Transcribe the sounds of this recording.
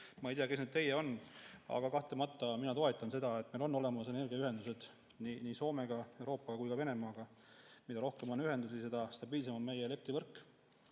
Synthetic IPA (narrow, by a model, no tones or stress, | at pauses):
mɑejt̪iɑkesnyːd̪̥̚t̪e̞jːeo̞nɑ̰ɡ̥ɑkɑht̪lemɑt̪ːˑɑminɑt̪o̞e̞t̪ˑːɑnse̞d̪ɑe̞t̪ːˑmelo̞nːo̞le̞mɑse̞ne̞rɡ̥iɑyɦe̞nd̪use̞d̪̥ | niniːso̞ːme̞ɡ̥ɑe̞wɾo̞ːpːˑɑɡ̥ɑkujkɑve̞ne̞mɑːɡ̥ɑ | mid̪ɑɾo̞hkemo̞nyɦe̞nd̪usise̞d̪̥ɑst̪ɑb̥iːls̬e̞mɑme̞jele̞p̚t̪ivɤrkːˑ